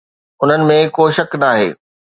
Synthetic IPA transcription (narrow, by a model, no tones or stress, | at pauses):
ʊn̤ənɪ̆mẽkoːʃɐknaːɦḛː